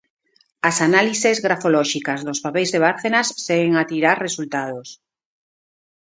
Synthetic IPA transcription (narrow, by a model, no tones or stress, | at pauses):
asanalisezɣɾafolɔʃikazðospapejzðeβ̞aɾθenasːeɣeŋat̪iɾaɾresult̪að̞os